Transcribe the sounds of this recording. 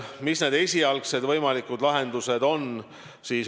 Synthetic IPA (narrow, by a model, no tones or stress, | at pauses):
misne̞ːd̪e̞sʲiɑlkse̞d̪vɤjmɑlikːˑud̪̥lɑɦe̞nd̪use̞d̪o̞n | siːs